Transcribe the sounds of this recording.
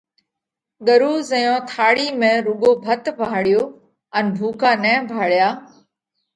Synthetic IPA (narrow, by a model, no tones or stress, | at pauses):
ɠəɾuːzəjõːt̪ʰaːɽiːmẽːɾʊɠoːbʱət̪ʋʱaːɽɪjoː | ənbʱuːkaːnɛ̃ːbʱaːɽjaː